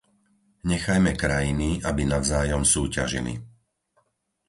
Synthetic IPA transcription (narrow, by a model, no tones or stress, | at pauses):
ɲɛxajmɛkɾajiniabinaʋzaːjɔmsuːcaʒḭlḭ